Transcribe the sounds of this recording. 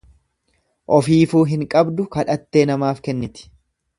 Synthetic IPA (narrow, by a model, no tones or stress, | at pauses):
ʔɔfiːfuːɦɪŋkʼɐbd̪ʊkɐᶑɐt̪ːe̞ːnɐmaːfkɛnːɪt̪ɪ̥